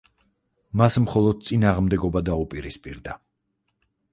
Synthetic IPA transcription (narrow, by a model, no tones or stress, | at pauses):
masmχɔlˠɔd̪̚t̪sʼinaːʁmd̪ɛɡɔbad̪aupʼiɾispʼiɾd̪a